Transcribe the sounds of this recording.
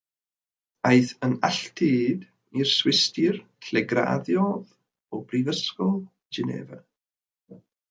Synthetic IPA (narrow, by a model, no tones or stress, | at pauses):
ajθənaɬtʰid | irswɪstʰɪrtʰlɛɡɾa̰ðjɔð | ɔbrivəskɔlˠ | d͡ʒɛnḛːva